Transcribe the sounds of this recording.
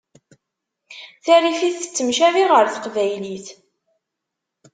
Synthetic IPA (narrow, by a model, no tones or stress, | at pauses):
θæɾifiθə̥t͡sːəmʃæviʁəɾθə̥qvæjliθ